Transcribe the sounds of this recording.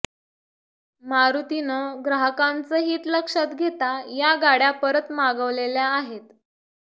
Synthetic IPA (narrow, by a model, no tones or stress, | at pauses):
maɾut̪inəɡɾaɦəkãnt͡səɦiːt̪ləkʂat̪ɡʱet̪ajaɡaɽjapəɾət̪maɡəʋleljaːɦet̪